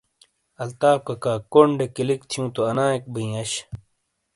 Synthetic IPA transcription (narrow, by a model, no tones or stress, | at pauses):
ɐlt̪aːp̚kɐkaːkoɳɖekilik̚t̪ʰijũːt̪oɐnãːek̚biĩːɐɕ